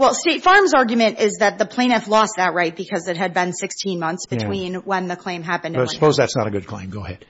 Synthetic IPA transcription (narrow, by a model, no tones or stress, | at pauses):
wɛlˠsteɪtfɑɹmzɑɹɡjmɨ̃ñtɪzðɨt̪̚ðəpʰl̥ẽɪ̃ñɨflɔst̪̚ðɨt̚ɹaɪt̚b̥ɨkʰʌzɨt̚ɦɨd̚bɨ̃nsɪkstʰĩnmʌ̃nθsb̥ɨtʰw̥ĩnwə̃nðɨkʰl̥ẽɪ̃mɦæpɨ̃ndʌsəpʰoʊzðætsnəɾɨɡʊd̚kʰl̥ḛ̃ɪ̃mɡoʊəhɛ̰d̥